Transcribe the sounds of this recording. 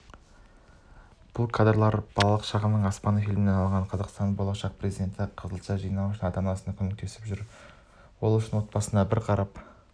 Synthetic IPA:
b̥ʊlˠkʰad̪rlˠɑɾb̥ɑlˠɑlˠəqʃɑʁəmnəɴɑspɑnəfijlmɪneɑlˠɴʁɑɴqʰɑzɑqst̪ɑnbo̞lˠɑʃɑq̚prezid̪e̞nt̪ɪqʰəzəlˠʃɑʒijnɑwʏʃɪnɑd̪ɑnɑsənɑkʲʰɵŋek̚t̪ʰe̞sɪ̥pʒʏɾ | wo̞lˠʏʃɪnwo̞t̪̚pɑsənd̪ɑbɪɾqʰɑɾɑp

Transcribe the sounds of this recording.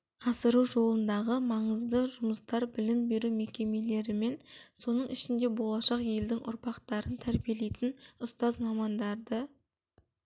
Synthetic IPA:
ɑsəɾuwʒo̞lˠənd̪ɑʁəmɑɴəzd̪əʒʊməst̪ɑɾbɪlɪmbe̞ɾume̞kʲe̞me̞le̞ɾɪme̞nso̞nəɴɪʃɪnd̪e̞bo̞lˠɑʃɑqje̞ld̪ɪŋʔʊ̰ɾpɑqt̪ɑɾənt̪ʰæɾbije̞le̞jt̪ɪnʊst̪ɑzmɑmɑnd̪ɑɾd̪ə

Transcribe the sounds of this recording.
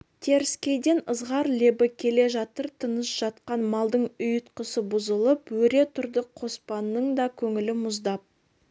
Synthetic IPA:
t̪ʰe̞ɾɪskʲe̞jd̪e̞nəzʁɑɾlebɪkʲʰe̞le̞ʒɑt̪əɾt̪ʰənəsʒ̥ɑt̪qɑnmɑlˠd̪əɴʊjət̪qəsəbʊzəlˠəpwɵɾe̞t̪ʰʊɾd̪əqʰo̞spɑnːəɴd̪ɑkʲʰɵŋɪlɪmʊzd̪ɑp̚

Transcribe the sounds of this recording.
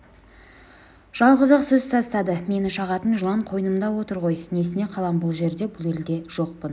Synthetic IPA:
ʒ̥ɑlˠʁəzəqsɵzt̪ʰɑst̪ɑd̪əme̞nɪʃɑʁɑt̪ənʒəlˠɑɴqʰo̞jnəmd̪ɑwo̞t̪əɾʁo̞jne̞sɪne̞qʰɑlˠɑmbʊlˠʒe̞ɾd̪e̞bʊlˠe̞ld̪e̞ʒ̥o̞q̚pən

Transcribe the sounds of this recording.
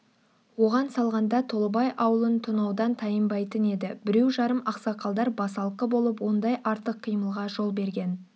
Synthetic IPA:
wo̞ʁɑnsɑlˠʁɑnd̪ɑt̪ʰo̞lˠəbɑjʔɑwəlˠənt̪ʰʊnɑwd̪ɑnt̪ʰɑjəmbɑjt̪əne̞d̪ɪbɪɾe̞wʒɑɾəmʔɑqsɑqʰɑlˠd̪ɑɾbɑsɑlˠqəbo̞lˠəp̬wo̞nd̪ɑjʔɑɾt̪əqʰːijməlˠʁɑʒo̞lˠbe̞ɾɡʲe̞n

